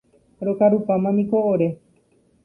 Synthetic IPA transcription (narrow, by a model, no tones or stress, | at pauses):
ɾokaɾupamãmĩkooɾe̞